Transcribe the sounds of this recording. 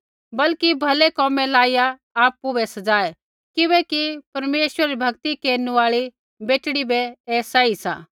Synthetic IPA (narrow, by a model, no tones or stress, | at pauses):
bɐlkibʱɐlekɔːmɛ̃laːijaː | pːũbɛsɐd͡zaːe | kɪʋɛkipɐɾmeːʃwəɾɾibʱɐɡt̪ikeːnuʋaːɭi | beːʈɽ̃ibɛːsaisa̰ː